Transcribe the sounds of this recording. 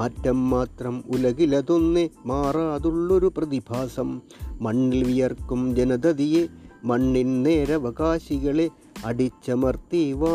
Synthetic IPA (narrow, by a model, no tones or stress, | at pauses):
mɐtːɐmːaːt̪rɐmulɐɣilɐðonːemaːraːðuɭːo̞ɾuprɐðibʱaːsɐmːɐɳːilʋijɐrkumd͡ʑɐnɐd̪ɐðijemɐɳːinneːɾɐʋɐɣaːɕiɣɐɭe̞ | ɐɽit͡ɕːɐmɐrt̪iːʋaː